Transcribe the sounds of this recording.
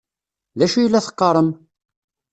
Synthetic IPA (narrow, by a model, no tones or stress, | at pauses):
ðæʃujəlːæθə̥qːɑɾˤəm